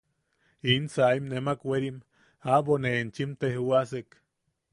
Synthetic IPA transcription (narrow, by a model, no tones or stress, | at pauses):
insaimnemakweɾim | aboneːnt͡ʃimt̪ehuasek